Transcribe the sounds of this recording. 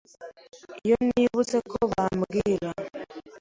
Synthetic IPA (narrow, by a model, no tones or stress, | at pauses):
ijoniːβut͡sekʰoβamuɡiːɾa